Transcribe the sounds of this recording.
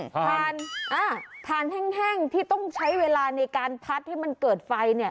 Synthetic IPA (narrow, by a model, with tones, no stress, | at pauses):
t̪ʰaː˧nʔaː˧˩t̪ʰaː˧nhɛ˥˩ŋɦɛ˥˩ŋt̪ʰiː˥˩t̪ɔ˥˩ŋt͡ɕʰa˦˥jweː˧laː˧na˧jkaː˧npʰa˦˥t̪̚ha˥˩ma˧nkɤː˨˩t̪̚fa˧jni˥˩ɐ